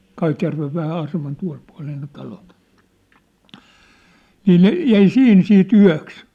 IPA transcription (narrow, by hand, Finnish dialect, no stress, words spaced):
kɑitjærʋeʋ ʋæhæ ɑsemɑn tuɑ̝l puɑ̝leː ne tɑlot niː ne jæi sih̆in siːt yæ̝ks